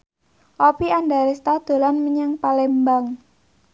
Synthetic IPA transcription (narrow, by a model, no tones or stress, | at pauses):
ʔɔpiandaɾist̪ad̪̥o̤lanməɲaŋpalɛmbaŋ